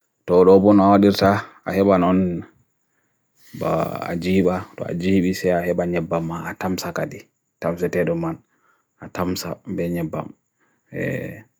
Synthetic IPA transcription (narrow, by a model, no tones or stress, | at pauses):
tɔɗɔbɔnawaɗiɾta | ahɛɓanɔn | ba̰d͡ʒiɓatɔ̰a̰d͡ʒiɓisɛahɛɓaɲɛbːamːaatamsakadi | tamsɛtɛɗɔmːan | atamsa̰bɛɲɛbːa̰m | ɛ̰